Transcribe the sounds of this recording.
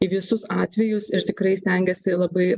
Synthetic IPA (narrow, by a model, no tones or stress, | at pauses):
iʋʲɪsʊsɑːt̪ʲʋʲɛjʊsɪɾt̪ʲɪkɾɐɪsʲt̪ʲɛŋʲɡʲɛsʲɪlˠɐbɐɪ